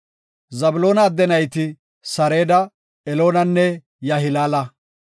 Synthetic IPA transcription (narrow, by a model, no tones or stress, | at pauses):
zɐbʊlo̞ːnɐːd̪ːɛnɐjt̪ɪ | sɐɾe̞ːd̪ɐ | ɛlo̞ːnɐnːɛ | jɐɦɪlaːlɐ